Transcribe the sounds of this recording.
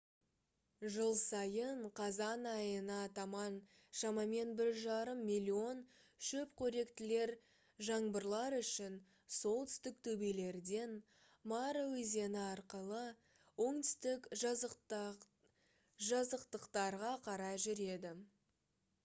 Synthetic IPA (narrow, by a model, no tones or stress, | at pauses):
ʒəlˠsɑjəɴqʰɑzɑnɑjənɑt̪ɑmɑn | ʃɑmɑme̞nbɪɾʒɑɾəmːilʲːio̞n | ʃɵpkʲʰɵɾe̞kt̪ɪle̞ɾ | ʒɑɴbəɾlˠɑɾʏʃɪn | so̞lˠt̪ʰʏ̥st̪ɪk̚t̪ʰɵbele̞ɾd̪e̞n | mɑɾəwɵze̞nɪɑɾqəlˠə | wo̞ɴt̪ʰʏ̥st̪ɪk | ʒɑzəqt̪əqt̪ɑɾʁɑqʰɑɾɑʒʏɾe̞d̪ɪ